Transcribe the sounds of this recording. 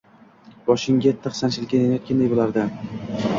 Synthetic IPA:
bɒʃɪŋɡʲat̪ʰːɨχsant͡ʃʰɪlɪkʲanenajɒt̪kʲand̪ajbolˠaɾd̪ɪ

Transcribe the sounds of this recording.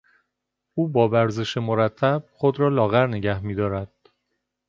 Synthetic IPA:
ʔuːbɒːbæɾze̞ʃemoɾæt̪ʰːæb̥̚χod̪ɾɒːlɒːɣæɾneɟæhmiːd̪ɒːɾæd̪̥

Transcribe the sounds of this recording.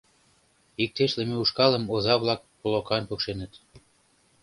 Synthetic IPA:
ik̚t̪eʃlĕmeuʃkɑlə̆mozɑβlɑk̚polokɑnpøkʃenə̆t̪

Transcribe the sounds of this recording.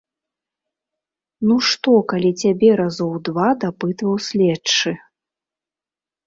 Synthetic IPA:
nuʂt̪ɔkalʲit͡sʲabʲɛɾazɔwd̪vad̪apɨt̪vɐwsʲlʲɛt͡ʂɨ

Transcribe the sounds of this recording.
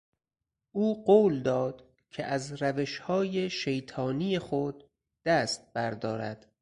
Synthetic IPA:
ʔuːɢoːld̪ɒːd̪̥ | cʰeʔæzɾæveʃhɒːjeʃejt̪ʰɒːnijexod̪̥ː | æːst̪̚b̥æɾd̪ɒːɾæ̰d̪̥

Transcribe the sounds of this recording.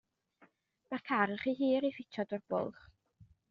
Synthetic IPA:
markʰaɾəχiɦiːɾifɪtʰɔdʊrbʊ̰lˠχ

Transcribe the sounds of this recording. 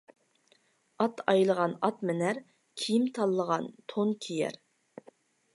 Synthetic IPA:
ɑt̪ʰɑjlˠəʁɑnɑt̪mɪnæɾ | kʲʰijimt̪ʰɑlˠːəʁɑnt̪ʰonkʲʰijɛ̰ɾ

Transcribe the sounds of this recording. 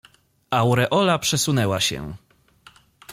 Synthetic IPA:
awɾɛʔɔlapʂɛsunɛwaɕɛ̰

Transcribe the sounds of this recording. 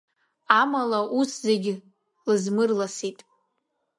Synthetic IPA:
amalaʔuszeɡʲɪ | lɨzmɨrlasitʼ

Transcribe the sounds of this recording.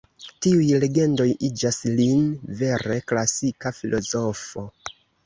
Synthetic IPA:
tiujle̞ɡe̞ndo̞jid͡ʒaslinve̞ɾe̞klasikafilʔo̞zo̞fo̞

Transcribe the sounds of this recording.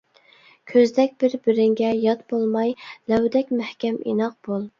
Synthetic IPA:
kʲʰøzd̪ɛkʲb̥ɪɾbɪɾɪŋɡʲɛjɑt̪bolˠmɑjlæwd̪ɛkʲmæhkʲɛmḭnɑq̚b̥olˠ

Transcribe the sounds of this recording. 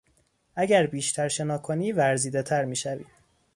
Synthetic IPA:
ʔæɟæɾbiːʃt̪ʰæɾʃe̞nɒːkʰoniːvæɾziːd̪e̞t̪ʰæɾmiːʃævḭː

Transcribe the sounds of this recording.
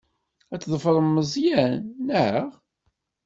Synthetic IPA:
æt͡sːðˤəfəðˤəmːəzˤjænːəhəʁ

